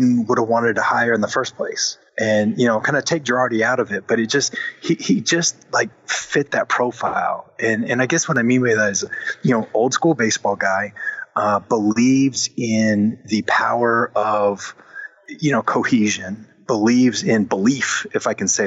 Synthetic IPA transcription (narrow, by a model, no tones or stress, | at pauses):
wʊɾəwɑ̃ɾ̃ɨd̚tʰəhaɪə˞ɨ̃nðəfɜ˞spʰl̥eɪs | ʔɨ̃njɨnoʊkʰãɪ̃ndɨtʰeɪk̚də˞ɑɨɾiaʊɾʌvɨt̚b̥ʌɾɨt̚d̥ʒ̥ʌst̚hihid͡ʒʌst̚laɪk̚fɪt̪̚ðɨt̚pʰɹ̥oʊfaɪlˠʔɨ̃nɨ̃naɪɡɛswʌɾaɪmĩnwɨɪðæɾɨzjɨnoʊoʊlˠd̥skulˠbeɪsb̥ɔlˠɡaɪʔʌbəlivzɪ̃nðɨpʰaʊə˞ʔʌv̥ | jɨñoʊkʰoʊhiʒɨ̃n | b̥əlivzɪ̃nbəlifɨfaɪkɨ̃n̩seɪ